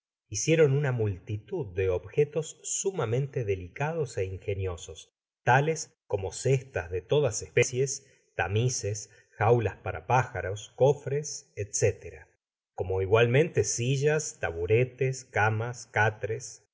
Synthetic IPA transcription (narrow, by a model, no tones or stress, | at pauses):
isje̞ɾo̞nunamult̪it̪uðːeoβxet̪o̞sːumamẽ̞nt̪e̞ðe̞likað̞o̞se̞iŋxe̞njo̞so̞s | t̪ales | ko̞mo̞sest̪azðet̪o̞ðasespesjes | t̪a̰mises | xawlaspaɾa̰paxaɾo̞sko̞fɾeset̪set̪eɾa̰ | ko̞mo̞iɣwalmẽ̞nt̪esiʒast̪aβuɾet̪eskamaskat̪ɾes